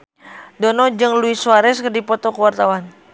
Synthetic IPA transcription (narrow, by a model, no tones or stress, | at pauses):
dɔnɔd͡ʒɨŋluisuaɾɛskərdipɔt̪ɔkəwart̪awan